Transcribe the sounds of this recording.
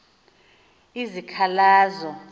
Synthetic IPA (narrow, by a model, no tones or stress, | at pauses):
izikʰalaːzɔ